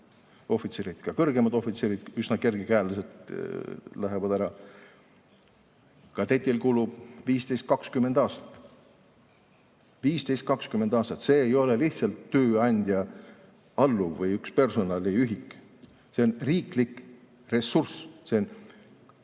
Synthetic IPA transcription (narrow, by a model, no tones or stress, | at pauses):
o̞fit̪seɾid̪̥kɑkɤrɡ̥e̞mɑd̪̥o̞fit̪seɾid̪̥ysnɑke̞rɡ̥ikæːluset̪ | læɦevɑd̪æɾɑ | kɑt̪et̪ʲːilkuːlub̥viːst̪ejst̪̚kɑkskymed̪̥ɑːst̪ɑ̥t̪ːˑ | viːst̪e̞jst̪kɑkskymend̪ɑːst̪ɑt̪se̞ːjo̞le̞liht̪sɑlt̪ːøːɑnʲd̪̥ʲjɑ | ɑlːuvɤjykspe̞rso̞nɑliyɦikː | se̞onriːklikːˑ | re̞sːursse̞on